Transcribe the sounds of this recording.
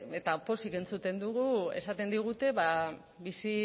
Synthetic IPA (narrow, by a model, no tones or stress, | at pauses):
et̪apo̞sike̞nt͡sut̪e̞nd̪uɣue̞sat̪e̞nd̪iɣ̞ut̪e̞βa | βisi